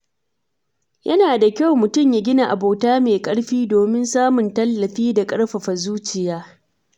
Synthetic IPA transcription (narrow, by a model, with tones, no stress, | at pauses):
jʔɐ˦naː˨da˨kʲa˦˨wmʊ˨tʊ˦˨mja˦ɡʲɪ˦na˨ʔa̰˨boː˨taː˦meː˨kʼɐ˦ɽɸiː˦doː˨mɪ˦nsaː˦mʊ˨ntɐ˦lːɐ˨ɸiː˦da˨kʼɐ˦ɽɸɐ˨ɸa˨zuː˦t͡ʃɪ˨jaː˦